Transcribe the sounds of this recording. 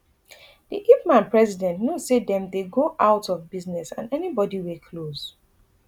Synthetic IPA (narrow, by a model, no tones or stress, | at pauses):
d̥iʔipmãnpɹɛzidɛ̃ntnosedɛ̃mdeɡoʔaʊtɔvbiznɛsã̰nɛnibɔdiwilkʰloz̥